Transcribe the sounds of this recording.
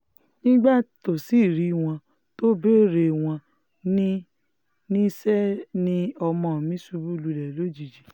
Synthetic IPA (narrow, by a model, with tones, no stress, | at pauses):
nĩ˦ɡ͡ba˦to˨si˦˨ɾi˦w̃ɔ̃˧ | to˦be˦˨ɾe˧w̃ɔ̃˧ | nĩ˦ | nĩ˦sɛ˦nĩ˧ɔ˧mɔ̃˧˨mĩ˨˦su˧˦bu˦lu˧lɛ˨lo˨˦d͡ʒi˨d͡ʒi˨